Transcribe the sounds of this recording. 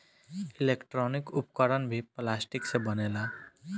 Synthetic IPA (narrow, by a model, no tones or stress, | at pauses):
ilekʈɾɔnikʊpkəɾənbʱiplaːsʈiksebənela